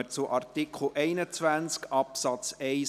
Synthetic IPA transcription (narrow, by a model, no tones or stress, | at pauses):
ət͡sʊʔɑrtɪkʰl̩ʔɛɪnət͡sʋænt͡skɑpsɑtt͡sɛɪ